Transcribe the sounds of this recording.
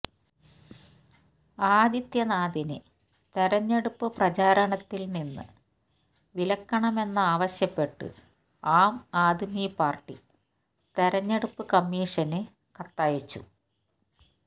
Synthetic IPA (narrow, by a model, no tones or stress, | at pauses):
aːd̪it̪jɐnaːd̪inɨ | t̪eɾɐɲːeɽupːɨprɐt͡ɕaːɾɐɳɐt̪ːilninːɨ̰ | ʋilɐkːɐɳɐme̞nːɐaːʋɐɕjɐpːe̞ʈːɨ̰ | aːmaːd̪ʱmipaːrʈːi | t̪eɾɐɲːeɽupːɨkɐmːiːʂɐnɨ | kɐt̪ːaːjit͡ɕːṵ